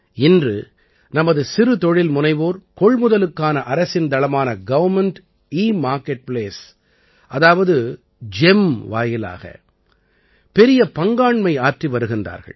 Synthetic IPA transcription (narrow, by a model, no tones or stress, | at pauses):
ɪndrɯ | nɐmɐðɯsɪɾɯt̪ɔɻɪlmʊnɐɪʋoːɾkɔɭmʊðɐlɯkːaːnɐʔɐɾɐsɪnd̪ɐlɐmaːnɐɡɐʋɐɾmɛɳʈ | iːmaːɾkɛʈ̚pleːs | ɐðaːʋɐðɯ | d͡ʒɛmʋa̰ːjɪla̰ːɣɐ̰ | pɛɾɪjɐpɐŋɡaːɳmɐɪaːʈriʋɐɾɯɣɪndra̰ːɾɣɐ̰ɭ